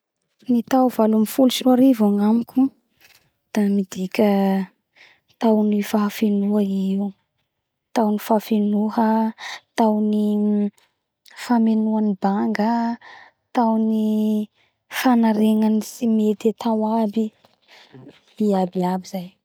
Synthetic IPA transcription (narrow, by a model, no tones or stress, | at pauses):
nit̪awvalumifulusiaɾivaŋamikʲu | d̪̥amid̪ikʲə | t̪awnifafinuɦaiu | t̪awnifafinuɦət̪awni | famenuanibaŋɡə | t̪awni | fanaɾeŋanisimet̪et̪ʰawabi | iabiabizaj